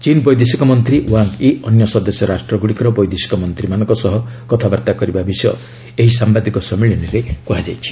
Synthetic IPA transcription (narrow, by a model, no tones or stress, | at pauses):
t͡ʃinbɔjd̪esikɔmɔnt̪ɾiwaŋkiɔnjɔsɔd̪ɔsjɔɾasʈɾɔɡuɽikɔɾɔbɔjd̪esi̥kɔmɔnt̪ɾimanɔ̃ŋkɔsɔɦɔkɔt̪ʰabaɾt̪akɔɾibabisɔjɔ̰ | eɦisambad̪ikɔsɔmiɭɔniɾekuɦad͡ʒajt͡ʃʰi̥